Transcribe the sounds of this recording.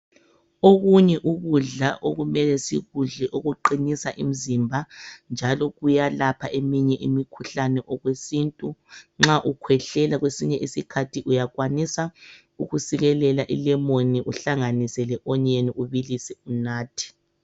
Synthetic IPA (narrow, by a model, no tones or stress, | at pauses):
oɣuɲɛʔuɣuɮaʔoɣumɛlɛsiɣuɮɛʔoɣuǃinisaʔim̩zimbʱand͡ʒʱalɔɣujalapʰaʔemiɲɛʔimikʰuɬanɛʔɔɣwesintʼuŋ͡ǁaʔukʰwɛɬɛlaɣwesiɲɛʔisikʰatʰiʔujaɣwanisa | uɣusiɣɛlɛlaʔḭlɛmoniʔuɬaŋanisɛlɛʔɔɲeniʔuβilisɛunaːtʰi̥